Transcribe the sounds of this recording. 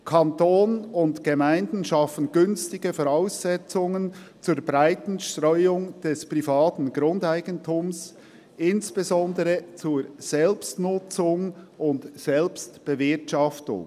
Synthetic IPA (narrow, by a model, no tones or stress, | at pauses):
kʰɑntoːnʊntɡ̥əmaɪndn̩ʃɑfən̩ɡʏnstɪɡəfɔʁaʊsːɛt͡sʊŋən | t͡suːɾbʁaɪtn̩ʃtʁœʏʊŋd̥ɛspʁ̥ifaːtn̩ɡʁʊndaɪɡəntʰums | ʔɪnsb̥ezɔndəʁət͡suːz̥ɛlpstnʊt͡sʊŋʊntsɛlpstb̥əvɪɐtʃɑftʊ̰ŋ